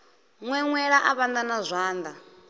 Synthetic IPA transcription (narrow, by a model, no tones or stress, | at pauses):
ŋwɛŋwɛɺaʔaβand̪anazʷaːnd̪a